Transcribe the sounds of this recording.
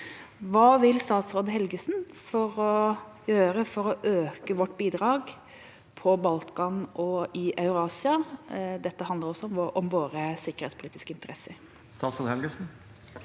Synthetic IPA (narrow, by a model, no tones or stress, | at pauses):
ʋɑːʋɪlst̪ɑːt̪sɾoːd̪əɦɛlɡəsn̩ | fɔɾɔjøːɾəfɔɾɔʔøːkəʋɔʈːbiːd̪ɾɑːɡ | pʰɔbɑlt̪kɑnʔɔɪʔɑʉɾɑːsɪɑd̪ɛt̪ːəɦɑnd̪əɾɔsːɔʔɔmʋoːɾəsɪkəɾhɛ̰ːt̪spʊliːt̪ɪskəɪnt̪əɾɛsəɾ | st̪ɑːt̪sɾoːd̪əhɛlɡəsn̩